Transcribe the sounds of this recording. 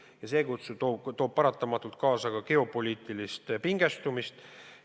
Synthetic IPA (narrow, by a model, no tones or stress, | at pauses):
jɑse̞ːkut̪suot̪o̞ːb̥̚pɑɾɑt̪ːˑɑmɑt̪ːˑult̪̚kɑːsɑkɑke̞o̞po̞lʲiːt̪ˑilist̪piŋɡ̥e̞st̪umist̪